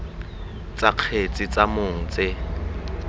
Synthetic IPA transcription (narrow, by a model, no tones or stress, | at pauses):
t͡sʼaq͡χʰet͡sʼɪt͡sʼamʊŋ̩t͡sʼɪ